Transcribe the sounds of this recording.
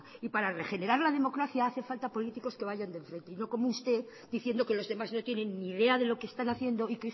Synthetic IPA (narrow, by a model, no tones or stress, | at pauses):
ipaɾare̞χe̞ne̞ɾaɾlaðe̞mo̞kɾaθjaaθefalt̪apo̞lit̪iko̞ske̞β̞aʝand̪e̞ɱfɾe̞nt̪e̞ino̞ko̞moust̪e̞ | d̪iθje̞nd̪o̞ke̞lo̞zðe̞mazno̞t̪je̞ne̞nːiðe̞aðe̞lo̞kest̪anaθje̞nd̪o̞ik